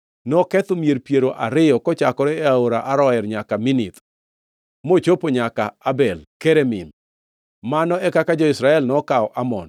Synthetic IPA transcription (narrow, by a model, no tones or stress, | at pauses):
nɔkɛt̪omjeɾpjeɾoʔaɾɪjɔkɔt͡ʃakɔɾɛaoɾaʔaɾɔɛɾɲakaminit̪ | mot͡ʃopoɲakaabɛlkeɾemɪ̰n | manɔɛkakad͡ʒɔisɾaɛlnɔkaɔʔamɔ̰n